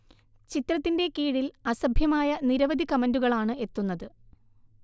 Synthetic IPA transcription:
t͡ɕit̪rɐt̪ːinde̞kiːɻilɐsɐbʱjɐmaːjɐniɾɐʋɐd̪ʱikɐmɐnduɣɐɭaːɳɨe̞t̪ːunːɐðɨ

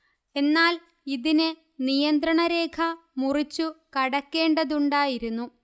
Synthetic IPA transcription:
e̞nːaːl | iðinɨ | nijɐnd̪ɾɐɳɐɾe̞ːkʰɐ | murit͡ɕːukɐɽɐkːe̞ːɳɖɐðuɳɖaːjiɾunːu

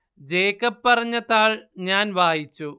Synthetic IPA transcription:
d͡ʑeːkːɐpːɐrɐɲːɐðaːɭɲaːnʋʱaːjit͡ɕːu

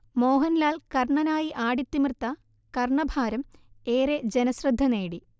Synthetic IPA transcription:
mo̞ːɦɐnlaːlkɐrɳɐnaːjiʔaːɽit̪ːimrt̪ːɐ | kɐrɳɐbʱaːɾɐmeːɾed͡ʑenɐsrɐd̪ʱːɐneːɽi

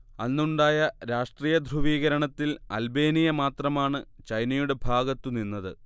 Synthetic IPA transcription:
ɐnːuɳɖaːjɐɾaːʂʈriːjɐd̪ʱruʋiːɣɐɾɐɳɐt̪ːilɐ̰lbe̞ːnijɐmaːt̪rɐmaːɳɨt͡ɕɐjnɐjuɽe̞bʱaːɡɐt̪ːuninːɐðɨ

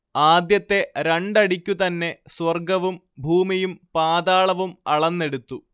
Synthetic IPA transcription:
aːd̪jɐt̪ːe̞ɾeɳɖɐɽikʲːut̪ɐnːe̞swɐrɡɐʋum | bʱuːmijumpaːd̪aːɭɐʋumɐɭɐnːe̞ɽut̪ːu

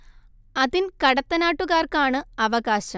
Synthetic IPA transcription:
ɐðinkɐɽɐt̪ːɐnaːʈːuɣaːrkaːɳɨɐʋɐɣaːɕɐm

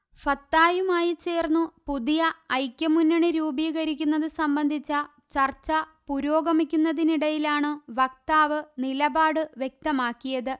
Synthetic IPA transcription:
fɐt̪ːaːjumaːjit͡ɕe̞ːrnːupuðijɐːjkʲːɐmunːɐɳɨɾuːbiːɣɐɾikʲːunːɐðɨsɐmbɐnd̪ʱit͡ɕːɐ | t͡ɕɐrt͡ɕːɐpuɾoːɡɐmikʲːunːɐðiniɽɐjilaːɳɨʋɐk̚t̪aːʋɨnilɐbaːɽɨʋje̞k̚t̪ɐmaːkːijɐðɨ

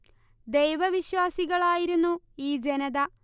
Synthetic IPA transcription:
d̪e̞jʋɐʋiɕʋaːsiɣɐɭaːjiɾunːu | iːd͡ʑe̞nɐðɐ

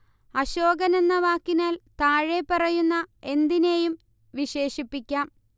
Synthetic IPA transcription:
ɐɕo̞ːɡɐne̞nːɐʋaːkːinaːlt̪aːɻepːɐrɐjunːɐe̞nd̪ine̞jum | ʋiɕe̞ːɕipːikʲːaːm

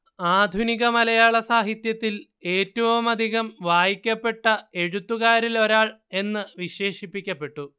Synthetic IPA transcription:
aːd̪ʱuniɣɐmɐlɐjaːɭɐsaːɦit̪jɐt̪ːil | e̞ːtːɐʋɐmɐd̪ʱiɣɐmʋaːjikʲːɐpːe̞ʈːɐe̞ɻut̪ːuɣaːɾilo̞ɾaːɭ | e̞nːɨʋiɕe̞ːʂipːikʲːɐpːe̞ʈːu

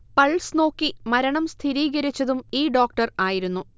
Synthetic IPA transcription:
pɐɭsno̞ːkːimɐɾɐɳɐmst̪ʰiɾiːɣɐɾit͡ɕːɐðumiːɖo̞ːk̚ʈɐraːjiɾunːu

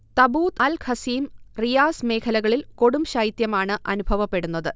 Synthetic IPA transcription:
t̪ɐbuːt̪ɐlkʰɐsiːmrijaːsme̞ːkʰɐlɐɣɐɭilko̞ɽumɕajit̪jɐmaːɳɨʔɐ̰nubʱɐʋɐpːe̞ɽunːɐðɨ

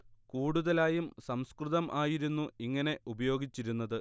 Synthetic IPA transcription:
kuːɽuðɐlaːjumsɐmskrɨðɐmʔaːjiɾunːuiŋːɐne̞ʔubɐjo̞ːɡit͡ɕːiɾunːɐðɨ

